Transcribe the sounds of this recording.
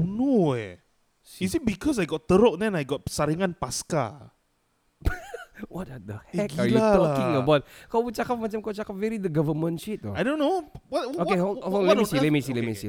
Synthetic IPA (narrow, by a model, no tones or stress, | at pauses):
noɛ | isit̚bikʰɔs̬ajɡɔt̚t̪əɾok̚dɛ̃najɡɔt̚saɾiŋãnpaska̰ | wɔt̚ad̪əhɛkalaɔĩŋəbat̚kawbət͡ʃakap̚mat͡ʃamkawt͡ʃakap̚vɛɹidəɡavəmə̃nʃit̚ajdõnːowɔokeɔ̃lisilemisilemisi